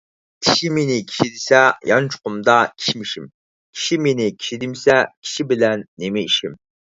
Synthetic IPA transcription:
kʲʰiʃimenɪkʲʰi̥ʃid̪ɪsɛjɑnt͡ʃʰʊ̥qʊmd̪ɑkʲʰi̥ʃmiʃim | kʲʰi̥ʃimenɪkʲʰi̥ʃid̪ɪmsɛkʲʰi̥ʃibɪlɛnːemɪiʃim

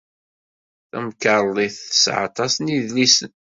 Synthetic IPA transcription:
θæ̰mkəɾˤðˤiθə̥sʕɑ̰t̪ˤɑsniðlisən

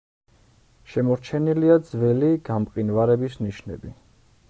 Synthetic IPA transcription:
ʃɛmɔɾt͡ʃʰɛniliad̪zvɛliɡampqʼinvaɾɛbisniʃnɛ̰bi

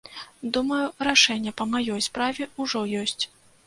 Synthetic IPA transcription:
d̪umɐjuɾaʂɛnʲːɛpɐmajɔjspɾavʲɛuʐɔjɔsʲt͡sʲ

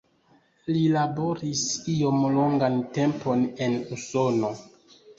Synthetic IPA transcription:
lilabo̞ɾisio̞mlo̞ŋɡante̞mpo̞ne̞nuso̞no̞

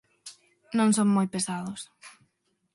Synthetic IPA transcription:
nõŋsõŋmojpesaðʊs

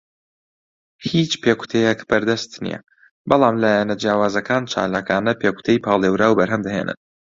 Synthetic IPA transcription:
hit͡ʃpʰeku̥t̪ʰejɛkb̥ɐɾd̪ɐst̪nḭjɛ̰ | bɑlˠɑːmlaːjɛnɐd͡ʒjaːwaːzɐkʰaːnt͡ʃʰa̰ːlaːkaːnɐpʰeːku̥t̪ʰejpʰɑːlˠewɾaːwbɐɾɦɐmd̪ɐɦḛːnʔɨ̰n

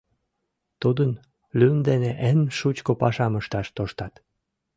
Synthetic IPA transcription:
t̪ud̪ən | lynd̪eneʔenʃut͡ɕkopɑʃɑməʃt̪ɑʃt̪oʃt̪ɑt̪

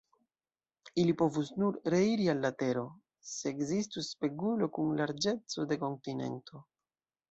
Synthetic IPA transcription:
ilipo̞vusnuɾɾe̞iɾialːate̞ɾo̞ | se̞ːɡzistuspe̞ɡulo̞kunlaɾd͡ʒe̞t͡so̞de̞ko̞ntine̞̰ntʰo̞

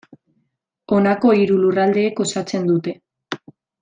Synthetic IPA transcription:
o̞nako̞iɾulurald̪e̞ːko̞sat͡se̞nd̪ut̪e̞

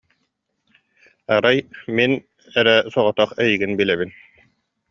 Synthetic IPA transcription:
aɾajmin | ɛɾɛsɔʁɔt̪ɑχɛjiɡinbilɛβin

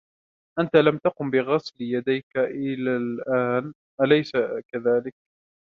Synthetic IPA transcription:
ʔant̪alamt̪aqʊmbɪɣɑsljad̪ajkaʔɪlalʔaːn | ʔalajsakaðaːlɪk̚

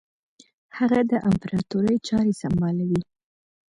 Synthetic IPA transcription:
haɣad̪əʔampaɾɑt̪uɾəjt͡ʃɑɾesambɑlawi

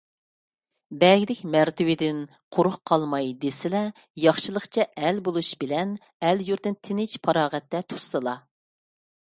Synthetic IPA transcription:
bɛɡʲid̪ɪkʲmæɾt̪ʰɪwɪd̪ɪn | qʰoɾʊχqʰɑlˠmɑjd̪esɪlɛ | jɑχʃɨlˠəχt͡ʃʰɛɛlbolˠuʃbɪlɛn | ɛljuɾt̪ɪnt̪ʰɪnɪt͡ʃpʰɑɾɑːʁɛt̪ːɛt̪ʰu̥ɾsɨlˠɑ

